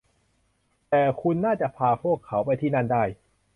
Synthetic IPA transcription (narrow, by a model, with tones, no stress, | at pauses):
t̪ɛː˨˩kʰu˧nːaː˥˩t͡ɕa˨˩ʔpʰaː˧pʰu˥˩əkʰːa˩˦˥wpa˧jt̪ʰiː˥˩na˥˩ndaː˥˩j